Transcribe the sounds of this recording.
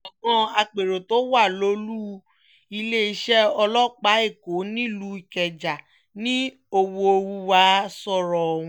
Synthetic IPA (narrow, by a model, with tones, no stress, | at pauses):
ɔ˨mɔ̃˧a˧k͡pe˨ɾo˨to˨˦wa˦˨lo˧˦lu˦ | i˧le˦i˧ʃɛ˦ɔ˧lɔ˦k͡pa˨˦e˦˨ko˨˦nĩ˦˨lu˨˦i˨kɛ˨d͡ʒa˨ | nĩ˦ | o˧wo˧o˧wu˦wa˧˦sɔ˦˨ɾɔ̃˨ũ˧